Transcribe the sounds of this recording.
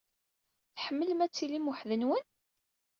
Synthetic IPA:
θħəmːələmæt͡sːilimʊħðənwən

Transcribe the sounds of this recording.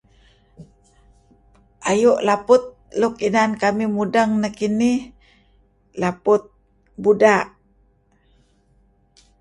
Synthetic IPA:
ʔajuʔlapʊt̪̚lukinankamimudaŋnakinih | lapʊt̪̚ | budaʔ

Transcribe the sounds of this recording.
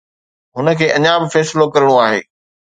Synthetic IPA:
ɦʊnə̆kʰeːʔɐɲaːbɪfɛːsɪlokɐɾɪɽ̃õaːɦḛː

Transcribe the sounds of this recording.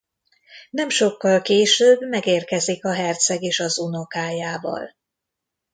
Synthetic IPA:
nɛmʃo̞kːɒlkeːʃøːbmɛɡeːrkɛzikɒɦɛrt̪sɛɡeːʃɒzuno̞kaːjaːvɒ̰l

